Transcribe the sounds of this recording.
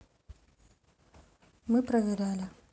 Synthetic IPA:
mɨpɾɐvʲɪɾʲalʲɪ

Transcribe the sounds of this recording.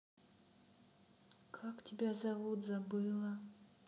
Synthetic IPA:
kʰaktʲɪbʲazavut̪zabɨjlˠə

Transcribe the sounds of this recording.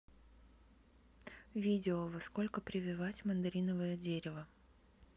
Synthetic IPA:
vʲidʲɪovɐskolʲkəpɾʲɪvʲɪvatʲmənd̪ɐɾʲinəvəjədʲeɾʲɪvə

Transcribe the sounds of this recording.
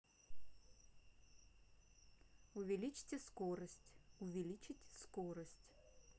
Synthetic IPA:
ʊvʲɪlʲit͡ɕɪ̥tʲɪskoɾəsʲtʲʊvʲɪlʲit͡ɕɪtʲskoɾəsʲtʲ

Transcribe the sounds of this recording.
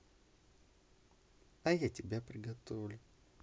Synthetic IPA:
ɐjatʲɪbʲapɾʲɪɡɐt̪ovlʲʊ

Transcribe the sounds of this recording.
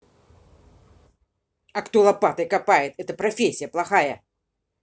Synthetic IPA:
ɐkt̪olˠɐpat̪əkapajɪt̪ɛt̪əpɾɐfʲesʲːɪjəplˠɐxajə

